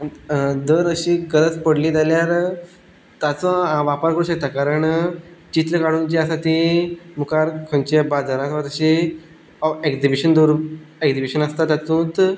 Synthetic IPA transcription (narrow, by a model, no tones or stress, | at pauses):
d̪əɾəɕiːɡəɾət͡spəɽliːd͡z̪aljaɾ | t̪jat͡sɔãʋapaɾkəɾũɕək̚t̪akaɾəɳt͡ɕit̪ləkaɽunt͡ɕiasat̪imukaɾkʰõnt͡ɕabad͡zʱaɾãsʋat̪əɕi | eɡd͡zibiɕənd̪uɾeɡd͡zibiɕənəst̪at̪jat̪ũːt̪